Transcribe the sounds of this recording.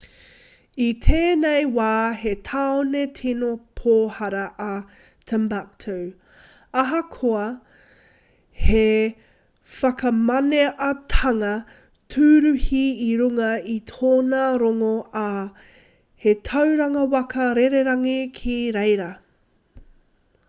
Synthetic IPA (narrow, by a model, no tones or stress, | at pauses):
itʰeːnejwaːɦetʰaːonetʰinopʰoːhɐɾɐʔɐ | tʰəmbak̚t̪ʰow | ɐɦɐkʰoɐ | he | fɐkɐmɐneʔɐtʰɐŋɐ | tʰʉɾʉhiiɾuŋɐitʰoːnaɾoŋoʔa | het̪ʰɐwɾɐŋɐwɐkɐɾeɾeɾɐŋikʰiɾejɾɐ